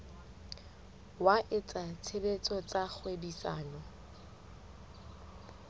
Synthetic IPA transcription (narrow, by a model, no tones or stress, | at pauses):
waʔɪt͡sʼat͡sʰebet͡sʼɔt͡sʼak͡xʰwebisaːnɔ